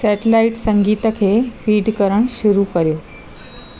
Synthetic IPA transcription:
sɛːʈɪlaɪʈsɐ̃ŋɡiːt̪əkʰeːfiːɖkɐɾəɽ̃ʃʊɾukɐɾijoː

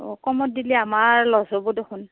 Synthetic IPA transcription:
ɔkɔmɔt̚diliamaɹlɔzɔbodoxʰʊn

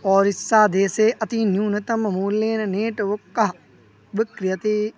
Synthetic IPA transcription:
ɔːɾɪsːaːd̪eːseːʔɐt̪injuːnɐt̪ɐmɐmuːlːeːnɐneːʈʋʊkːɐɦ | ʋɪkɾɪjɐt̪eː

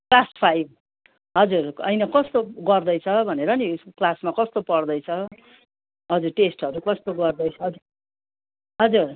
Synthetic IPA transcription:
klaspʰajb | ɦʌd͡zurʌ̰jnʌkʌst̪oɡʌrd̪ʌjt͡sʰʌbʱʌneɾʌniuskoklasmakʌst̪opʌrd̪ʌjt͡sʰʌ | ɦʌd͡zurʈesʈʌɾukʌst̪oɡʌrd̪ʌjt͡sʰʌɦʌ | ɦʌd͡zur

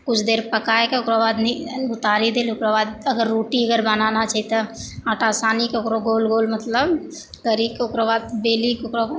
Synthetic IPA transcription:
kut͡ʃʰd̪eɾpəkaekeokɾabad̪niut̪aɾid̪eliokɾabad̪̚əɡəɾːoʈiəɡəɾbananat͡ʃʰait̪əaʈasanikeokɾoɡolɡolmət̪ləb | ɡ̪əɾikeokɾobad̪̚belikokɾoa

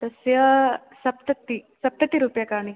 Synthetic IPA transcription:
t̪ɐsjɐ | sɐp̚t̪ɐt̪ːisɐp̚t̪ɐt̪iɾupjakaɳi

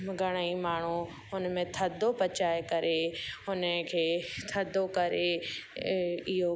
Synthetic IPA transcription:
ɡʱɐɽ̃əimaːɳ̤u | ʊnmẽt̪ʰɐd̪ʱopɐt͡ɕaːekɐɾeʊnəkʰeːt̪ʰɐd̪ʱokɐɾe | ɪɦo

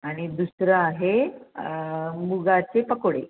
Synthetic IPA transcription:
aɽ̃id̪usɾəaɦe | muɡat͡sepəkɽe

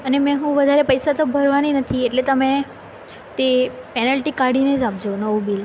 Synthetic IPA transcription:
ənemɛ̃ɦũʋəd̪ʱaɾepəjsat̪obʱəɾʋaninət̪ʰieʈlet̪əmẽ | t̪epɛnəlʈikaɽined͡ʒap̚d͡ʒonəũbil

